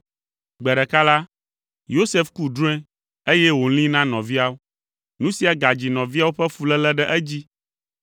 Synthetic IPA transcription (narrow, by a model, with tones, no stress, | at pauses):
ɡ͡bɛ˨ɖɛ˨ka˦la˦ | jo˦se˦fku˦d̪ɾũ˦ɛ̃˦ | e˦jɛ˦wo˨l̃ĩ˦nã˦nɔ̃˨vi˦a˦wo˦ | nũ˦si˨a˨ɡa˨d͡ʑi˨nɔ̃˨vi˦a˦wo˦ɸɛ˦fu˨lɛ˦lɛ˦ɖɛ˦ʔɛ˦d͡ʑi˦